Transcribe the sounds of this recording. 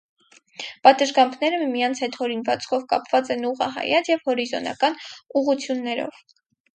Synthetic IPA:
pɑt̪əʒɡɑmpʰnɛɾəmijɑnt͡sʰhɛt̪hɔɾinvɑt͡sʰkʰɔvkɑ̰pvɑt͡sɛnuʁɑɦɑ̰jɑt͡sjɛvhɔɾizɔ̰nɑ̰kɑnuʁut͡sʰjunːɛɾɔ̰v̥

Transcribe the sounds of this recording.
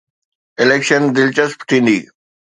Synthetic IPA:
ɪleːkʃənd̪ɪlt͡ɕəspʰʈ̪ʰĩːnd̪iː

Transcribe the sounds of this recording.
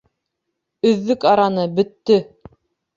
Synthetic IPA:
ɵ̆ðːɵkɑɾɑnɤbɵ̆t̪ːɵ

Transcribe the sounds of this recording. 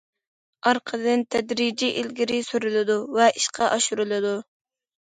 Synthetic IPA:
ɑɾqʰəd̪ɨnt̪ʰɛd̪ɾid͡ʒiʔilɡʲiɾɪsyɾylɪd̪uvɛʔiʃqʰɑʔɑʃuɾɨlˠɨd̪u

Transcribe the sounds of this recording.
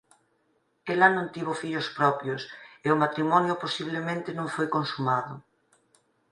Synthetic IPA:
elanõnt̪iβofiʎospɾɔpjoseomat̪ɾimɔnjoposiβlemẽnt̪ɪnõŋfojkonsumaðʊ

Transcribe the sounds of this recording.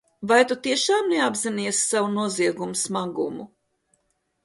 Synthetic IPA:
vajt̪ut̪iɛʃaːmneabziniɛssawunuɔziɛɡumusmaɡṵmu

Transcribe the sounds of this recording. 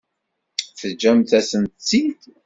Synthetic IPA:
θəd͡ʒːæmθæsənt̪t͡sːid̪

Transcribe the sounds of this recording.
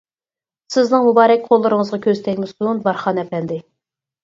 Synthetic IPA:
sɪznɨŋmubɑːɾɛkʲqʰolˠːɨɾɨŋəzʁɑkʲʰøzt̪ʰɛkʲmɪsunbɑɾχɑnɛpɛnd̪ɪ

